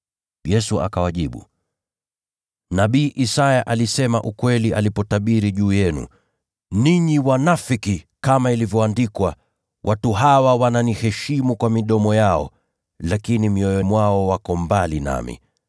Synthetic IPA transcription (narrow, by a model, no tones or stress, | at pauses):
jɛsua̰kawaʄiɓṵ | naɓiːʔisajaʔalisɛmaʔukwɛliʔalipɔtaɓiɾiʄuːjɛnṵ | niɲiwanafiki | kamailivjɔandikwa | wʔatuɦawawananihɛʃimukwamiɗɔmɔjaɔ̰ | lakinimiɔjɔmwaɔwakɔmbalina̰mḭ